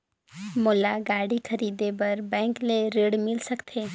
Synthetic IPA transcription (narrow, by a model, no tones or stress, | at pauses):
moːlaɡaːɽikʰɐɾiːd̪ebɐɾbɛ̃ːŋkleɾeːɽmɪlsɐkt̪ʰeː